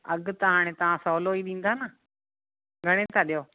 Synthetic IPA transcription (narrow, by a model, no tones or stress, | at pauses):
ɐɠʊt̪ɐɦaːɽ̃ẽt̪ɐʋ̤ãsoːloiɗĩːn̆d̪aːnə | ɡʱɐɽ̃et̪ʰaɗijoː